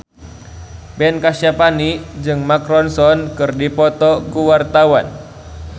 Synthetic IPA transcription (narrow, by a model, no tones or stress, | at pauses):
bɛnkasjapanid͡ʒɨŋmakɾɔnsɔnkɨrdipɔt̪ɔkuwart̪awan